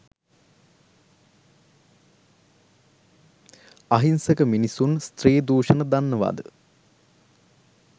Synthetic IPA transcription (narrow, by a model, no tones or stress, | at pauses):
aɦinsəkəminisunst̪ɾeːd̪uːʃənəd̪anːəʋa̰ːd̪ə̰